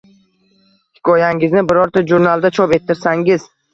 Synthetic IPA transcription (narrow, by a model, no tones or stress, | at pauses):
hɪ̥kʰɒjaŋɪznɪbɪɾɒɾt̪ʰad͡ʒuɾnalˠd̪at͡ʃʰɒpe̞t̪ʰːɪɾsaŋɪz̥